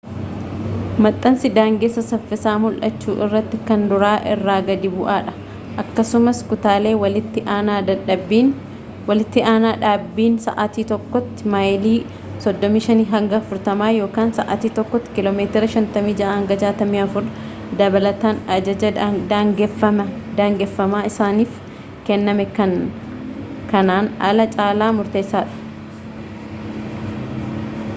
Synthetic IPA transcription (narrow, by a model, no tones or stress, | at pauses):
mɐt̪ʼːɐnsɪd̪aːŋɡeːsːɐsɐfːɪsaːmʊlʔɐ̰t͡ʃːṵːʔɪ̰rːɐt̪ːɪkɐnd̪ʊɾaːʔɪrːaːɡɐd̪ɪbʊʔaːᶑɐ̥ | ʔɐkːɐsʊmɐskʊt̪aːle̞ːwɐlɪt̪ːɪʔaːnaːd̪ɐᶑɐbin | wɐlɪt̪ːɪaːnaːᶑaːbːiːnsɐ̰ʔat̪iːt̪ɔkːɔt̪ːɪmɐjliː | sɔd̪ːɔmiːʃɐniːɦɐŋɡɐɐfʊɾt̪ɐmaːjo̞ːkaːnsɐʔa̰t̪iːt̪ɔkːɔt̪ːɪ̥kɪloːmeːt̪ɪɾɐʃɐnt̪ɐmiːd͡ʒɐʔahɐŋɡɐd͡ʒaːt̪ɐmiːɐfʊɾ | d̪ɐbɐlɐt̪aːnɐd͡ʒɐd͡ʒɐd̪ɡɐmɐd̪aːŋɡɛfːɐmaːɪsaːniːf | kɛnːɐmɛkɐn | kɐnaːnɐ̰lɐt͡ʃʼaːlaːmʊɾt̪e̞ːsːaːᶑʊ̥